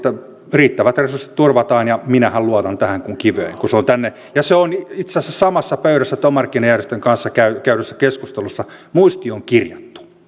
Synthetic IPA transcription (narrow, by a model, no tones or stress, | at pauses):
t̪ːæ | riːt̪ːæʋæt̪resurse̥t̪t̪urʋɑt̪ɑːnjɑminæhælluɑt̪ɑnt̪æhæŋkuŋkiʋø̰iŋkuseont̪ænːe | jɑseonit̪seæsːæsɑmɑsːɑpøyɾæsːæt̪omɑrkːinɑjærjest̪øŋkɑnsːɑkæykæyɾøsːækeskust̪elusːɑmuist̪ioŋkirjɑt̪ːu̥